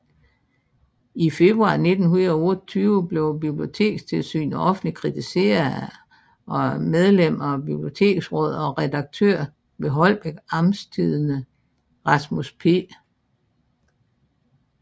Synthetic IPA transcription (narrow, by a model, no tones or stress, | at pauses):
ife̝b̥ʁuɑ̈ːne̝d̥n̩hunɐð̩ˠɔ̽ət͡sʰyːʊəb̥le̝ʊbib̥lio̝t͡sʰe̝̰ːɡ̥st͡sʰe̝lsy̰ːnɒ̽fn̩likʰʁit͡sʰise̝̰ɐ | ɒ̽með̞ˠlem̰ɐɒb̥ib̥lio̝t͡sʰe̝̰ːɡ̥sʁɔ̽ð̞̰ˠɒ̽ʁɛd̥ɑ̈ɡ̥̚t͡sʰøɐ̰ | ʋe̝ɦɒ̽l̰b̥eɡ̥ɑ̈mst͡sʰiðˠnə | ʁɑ̈smuspʰe̝̰ː